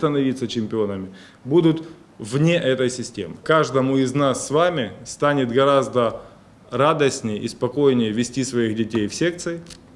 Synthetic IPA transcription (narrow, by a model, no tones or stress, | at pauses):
t̪ənɐvʲit̪sət͡ɕɪmʲpʲɪo̞nəmʲɪ | bud̪ʊt̪ | vnʲe̞ʔɛt̪əjsʲɪsʲtʲḛmɨkaʐd̪əmʊɪznasːvamʲɪst̪anʲɪt̪ɡɐɾazd̪ə | ɾad̪əsʲnʲɪjəispɐko̞jnʲɪjəvʲɪsʲtʲisvɐixdʲɪtʲejfsʲe̞k̚t̪sɨɪ